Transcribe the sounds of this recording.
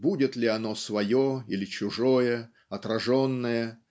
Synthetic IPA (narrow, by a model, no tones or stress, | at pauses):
budʲɪt̪lʲɪɐno̞svɐjoilʲɪt͡ɕʊʐo̞jə | ɐt̪ɾɐʐo̞nːəjə